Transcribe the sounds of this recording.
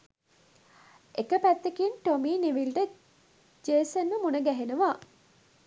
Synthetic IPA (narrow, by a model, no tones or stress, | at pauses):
ekəpæt̪ːekinʈomiːniʋilʈə | d͡ʒeːsənʋəmunəɡæɦenəʋa